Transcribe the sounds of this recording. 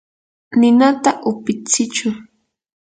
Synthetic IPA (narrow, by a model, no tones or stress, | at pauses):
nɪnat̪aʔʊpɪt͡sɪt͡ʃʊ